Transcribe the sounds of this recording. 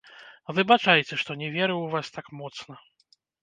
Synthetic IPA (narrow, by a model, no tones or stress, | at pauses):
vɨbat͡ʂajɛt͡sʲɛʂt̪ɔnʲɛvʲɛɾɨwvast̪akmɔt̪snɐ